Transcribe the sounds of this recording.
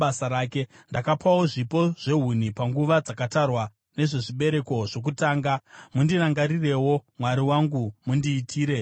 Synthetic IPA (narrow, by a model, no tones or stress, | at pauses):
asaɾaːke̞ | ndakapawo̞ʐipo̞ʐ̥e̞ɦun̤ipaŋɡuʋad͡zakatarwa | ne̞ʐe̞ʐiɓe̞ɾe̞ko̞ʐo̞k̬utaːŋɡamundiraŋɡaɾire̞wo̞mwaɾiwaŋɡumundiːtʰiːɾe̞